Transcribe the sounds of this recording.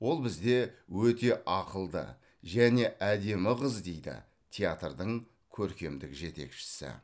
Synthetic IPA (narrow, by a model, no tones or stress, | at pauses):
wo̞lˠbɪzd̪e̞wɵt̪e̞ʔɑqəlˠd̪ə̰ | ʒæne̞ʔæd̪e̞mɪʁəzd̪e̞jd̪ɪ̰ | t̪ʰʲejat̪rd̪əɴ | kʲʰɵɾkʲe̞md̪ɪkʒe̞t̪e̞̰kʃɪ̥sɪ̰